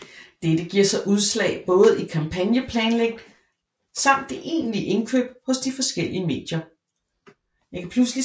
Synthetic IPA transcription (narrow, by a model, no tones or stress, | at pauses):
d̥edəɡ̥iɐ̰sɑ̈ɪʔuðˠslɛ̰ːɪb̥ɔ̽ːð̞̩ˠikʰɑ̈mpʰænjəpʰlɛːnleɡ̥̚d̥ | sɑ̈m̰d̥ːe̝ʔe̝̰ːnliʔe̝nkʰø̰ːb̥̚hɔ̽sd̥ifɒ̽sɡ̥el̰iəme̝̰ːd̥jɐ | jɑ̈kʰæpʰlusli